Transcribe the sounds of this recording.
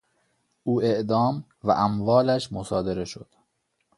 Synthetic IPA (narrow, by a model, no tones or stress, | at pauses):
ʔuːe̞ʔd̪ɒːm | væ̰ʔæmvɒːlæʃmosɒːd̪eɾe̞ʃod̪̥